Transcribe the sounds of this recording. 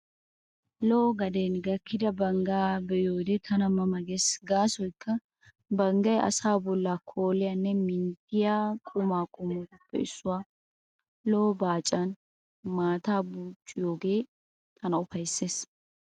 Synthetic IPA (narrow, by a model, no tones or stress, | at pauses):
lɔɔɡɐd̪enɡɐkːɪd̪ɐbɐŋɡaːbɛjoːd̪ɛt̪ʰɐnɐmɐmɐɡesɡaːsɔjkːɐ | bɐŋɡɐjɐ̰saːbɔlːaːkʰo̞ːlɪjanːɛmɪnt̪ɪjaːkʼʊmaːkʼʊmɔʊpːɛ̰ɪsːʊwaː | lɔɔbaːt͡ʃʼːɐn | maːt̪aːbuːt͡ʃʼːɪjo̞ːɡe̞ː | t̪ʰɐnɐʊfɐjsːe̞ːs